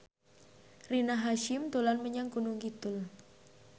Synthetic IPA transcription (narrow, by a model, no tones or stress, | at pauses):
rinaɦaʃɪmt̪olanməɲaŋkunʊŋkit̪ʊl